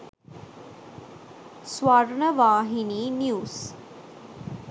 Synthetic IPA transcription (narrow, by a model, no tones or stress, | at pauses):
sʋaɾɳəʋaːɦiniːnjuːs